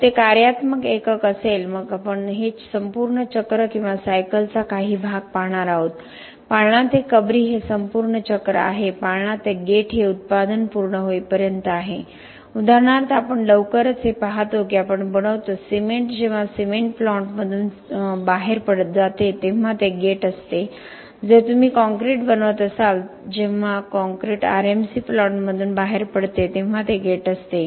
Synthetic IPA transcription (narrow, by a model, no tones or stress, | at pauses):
t̪ekaɾjat̪məkekəkəselməɡapəɳɦesəmpuːɾɳət͡ɕəkɾəkĩw̃ʋasajkəlt͡sakaɦiːbʱaɡ̚paɦɽ̃aɾaɦot̪ | paɳãt̪ekəbɾiːɦesəmpuːɾɳət͡ɕəkɾə̰a̰ɦepaɭɳ̃ãt̪eɡeʈʰɦeut̪̚pad̪ənpuɾɳəɦoipəɾjənt̪əaɦe | ud̪ʱaɾɳ̃aɾt̪əapəɳɖəwkəɾət͡sɦepaɦat̪okiapəɳbəɽ̃əʋt̪osimeɳʈd͡ʑeʋ̤asimeɳʈflɔɳʈməd̪ʱuːn | baɦeɾpəɽət̪̚d͡zat̪et̪ẽm̤at̪eɡeʈəst̪e | d͡zət̪um̤iːkɔ̃ŋkɾeʈbənəʋət̪əsald͡ʑeʋ̤akɔ̃ŋkɾeʈa̰ɾemsiflɔɳʈməd̪ʱuːnbaɦeɾpəɽt̪et̪ẽm̤ːat̪eɡeʈəst̪e